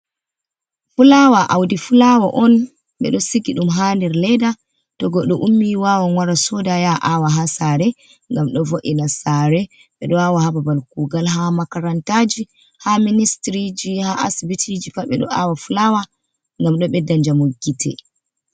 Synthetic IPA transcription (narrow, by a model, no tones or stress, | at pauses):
fulawaʔawdifulawaʔɔn | ɓɛ̰ɗɔsiɡiɗumɦandɛɾlɛda | tɔɡɔɗɔʔumːiwawanwaɾasɔdajaʔawaɦasaɾɛ | ŋɡamɗɔvoʔinasaɾɛ | ɓɛɗɔawahababalkuːɡalɦamakaɾantad͡ʒi | haministɾid͡ʒihaʔasibitʰid͡ʒikaɓɛɗɔ̰ʔawafulawa | ŋɡamɗɔɓɛdaɲd͡ʒamoɡitʰɛ̰